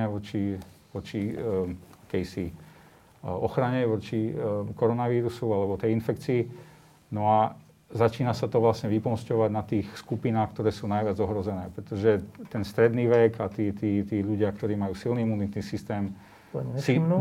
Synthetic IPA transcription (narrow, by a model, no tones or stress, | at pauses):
ɛʋɔt͡ʃiʋɔt͡ʃi | akɛjsi | ɔxɾaɲɛʋɔt͡ʃikɔɾɔnaʋiːɾusualɛbɔt̪ɛjinfɛkt͡siː | nɔa | zat͡ʃiːnasat̪ɔʋlasɲɛʋipɔnscɔʋaɟnat̪iːxskupinaːxkt̪ɔɾɛːsuːnajʋɪad͡zɔɦɾɔzɛnɛːpɾɛt̪ɔʒɛt̪ɛnst̪ɾɛd̪niːʋɛɡat̪iːt̪iːt̪iːʎuɟɪakt̪ɔɾiːmajuːsilniimunit̪nisist̪ɛːm | si